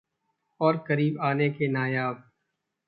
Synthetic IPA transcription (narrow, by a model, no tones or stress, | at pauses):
ɔːɾkəɾiːbaːnekenaːjaːb̚